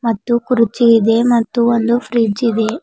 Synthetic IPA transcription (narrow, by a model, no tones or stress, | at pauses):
mɐt̪ːukuɾit͡ʃiid̪e̞mɐt̪ːuond̪upʰɾiːd͡ʒid̪e